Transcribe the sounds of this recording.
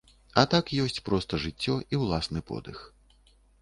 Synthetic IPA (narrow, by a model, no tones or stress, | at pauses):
ɐt̪akjɔsʲt͡sʲpɾɔst̪ɐʐɨt͡sʲːɔʔiwlˠasnɨpɔ̰d̪ɨx